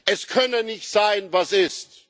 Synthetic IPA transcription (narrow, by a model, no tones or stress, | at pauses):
ʔɛskʰœnənɪçtz̥aɪnvasɪst